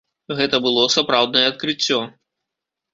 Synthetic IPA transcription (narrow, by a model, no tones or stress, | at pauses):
ɣɛt̪ɐbɨlˠɔsapɾawd̪nɐjɛɐt̪̚kɾɨt͡sʲːɔ